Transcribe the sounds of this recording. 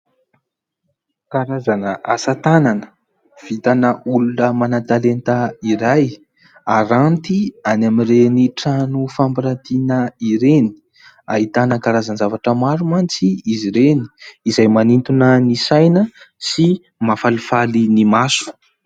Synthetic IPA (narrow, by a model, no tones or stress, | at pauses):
kaɾazanəʔasat̪ananə | v̥it̪anəulunəmanat̪alent̪aiɾaj | aɾant̪ianamiɾeniʈ͡ʂanufampiɾant̪inəiɾeni̥ | a̰ɦit̪anəkaɾazanzavaʈ͡ʂəmaɾumant͡siiziɾeni̥izajmanint̪unənisajnəsi | mafalifalinimasu̥